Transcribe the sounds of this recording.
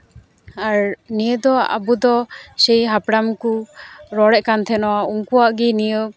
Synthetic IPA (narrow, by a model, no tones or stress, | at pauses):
aɾnijəd̪ɔʔa̰bud̪ɔsɛjɦapɽamkuɾɔɽɛʔkant̪ʰɛnɔwauŋkuwaʔɡinijə